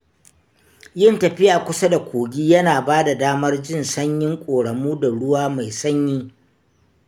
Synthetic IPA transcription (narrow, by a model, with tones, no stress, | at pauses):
jɪ˦˨ntɐ˨ɸɪ˦jaː˨kʷʊ˦sa˦da˨kʷoː˨ɡʲiː˦jɐ˦naː˨baː˦da˨daː˦mɐ˦rd͡ʒɪ˦˨nsɐ˦ɲjɪ˦ŋkʷʼoː˨ɽɐ˨muː˦da˨ɽʊ˦waː˦ma˨jsɐ˦ɲjiː˦